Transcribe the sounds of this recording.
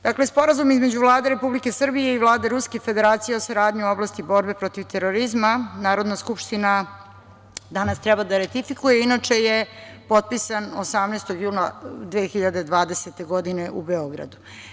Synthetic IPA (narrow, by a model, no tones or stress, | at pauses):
d̪̥aklespo̞ɾazumizme̞d͡ʑuvlˠaːd̪eɾe̞publikesr̩bije̞ivlˠaːd̪e̞ɾuskefe̞d̪e̞ɾaːt̪sijeosaɾaːd̪ɲio̞blˠast̪ibo̞ɾbe̞pɾo̞t̪iʋt̪eɾo̞ɾizmanaːɾo̞d̪naskupʃt̪ina | d̪anast̪ɾɛbad̪aɾat̪ifikujeinat͡ʂe̞jepo̞t̪̚pisanosamnest̪o̞ɡjuːnad̪ʋeːxiʎad̪ed̪ʋaːd̪e̞set̪e̞ɡo̞d̪ineʔubeoɡɾa̰d̪u